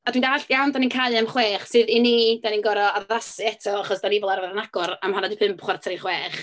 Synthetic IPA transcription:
ad̥windaɬjawndaninkʰajlˠamχweːχsɨðinid̥aninɡɔɾɔaðasɨɛtʰɔaχɔsd̥anɪvɔlˠarvaðənaɡ̥ɔɾamhanadipʰɨmpχwartʰaɾiχweːχ

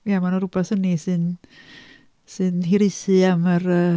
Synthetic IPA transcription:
jamanɛwɾupasənːisɨn | sɨnɦiɾisɨaməɾə

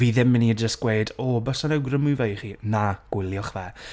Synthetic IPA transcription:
viːðɪmɪnid͡ʒəstɡ̥wejdɔbɔsanɛwɡrəmʊvejχiːnaɡ̥ɪlˠjɔχvɛ

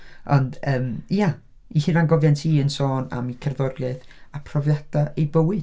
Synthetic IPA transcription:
ɔndəːmja | ihiɾanɡɔvjantʰiːənsoːna̰mikʰɛrðɔɾjaðapʰrɔvjad̥aʔejbəwɨd

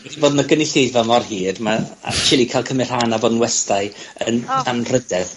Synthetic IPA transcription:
wɛdiboːdnəɡənɪɬejvɔmɔrhiːdmaa̰t͡ʃɪlˠikʰaɪlˠkʰəmɪr̥hanaboːdn̩wɛstaɨənʰanr̥ədɛð

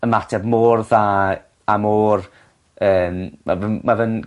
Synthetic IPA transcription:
əmatʰɛbmoːrðaː | amoːr | əːmmavənmavən

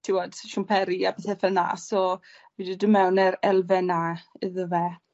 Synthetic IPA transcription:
tʰiwɔd̥ʃumpʰɛɾiapʰeθɛfəlna̰sɔ | vidɪdəmɛwnɛɾɛlˠvɛnaɨðəvɛ

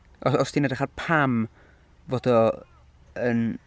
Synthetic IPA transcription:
ɔsɔstʰinadaχadpʰam | vod̥ɔ | ən

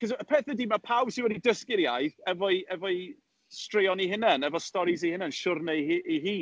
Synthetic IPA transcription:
kʰəzəpʰɛːθɛdiːmapʰawb̥sɪnwɛdidəskɪɾjajðɛvɔiɛvɔi | streɔniɦɪnɛnɛvɔstɔɾizihɪnɛnʃʊrnəʔiɦiː

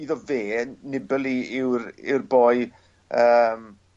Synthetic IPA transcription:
iðɔveːnɪbəlˠiɪwɾɪ̰wrboːɨ | əːm

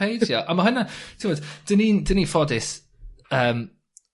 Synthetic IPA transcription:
ejjɔʔamaɦʊnatʰɪwɔd̥d̥ənidənifɔdɪs | əːm

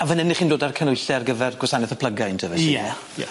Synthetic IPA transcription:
avənɛniχiːndoːdarkʰənʊjɬɛrɡəvɛrɡwɛsanɛθəpʰləɡajntʰəvɛsiɛ̰

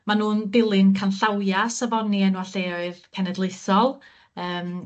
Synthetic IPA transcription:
manuːnbɪlˠɨnkʰanɬawjasavɔniɛnwaɬeɔɨðpʰɛnɛdlˠeɨsɔlˠ | əːm

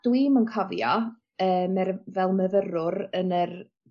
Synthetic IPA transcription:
d̥wimənkʰɔvja | əːmɛrvɛlˠməvəɾʊɾənər

